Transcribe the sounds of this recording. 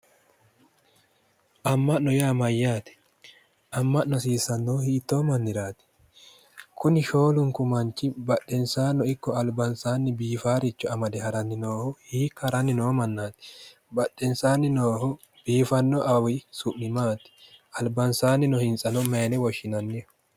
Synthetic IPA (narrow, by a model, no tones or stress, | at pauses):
ʔɐmːɐʔnɔjaːmɐjːaːt̪ɛ̥ | ʔɐmːɐʔnɔsiːsɐnːoːhiːt̪ːo̞ːmɐnːɪɾaːt̪ɪ̥ | kʰʊnɪʃoːlʊŋkʊmɐnt͡ʃːɪbɐɗːɛnsaːnːɔɪkːɔɐlbɐnsaːnːɪbiːfaːɾɪt͡ʃːɔɐmɐd̪ɛhɐɾɐnːɪnoːhɔhiːkːɐɾɐnːɪnoːmɐnːaːt̪ɪ̥ | bɐɗːɛnsaːnːɪnoːhɔ | b̥iːfɐnːɔʔɐwɪsʊʔnɪmaːt̪ɪ̥ɐlbɐnsaːnːɪnɔhɪnsʼɐnɔmeːnɛwɔʃːɪnɐnːɛ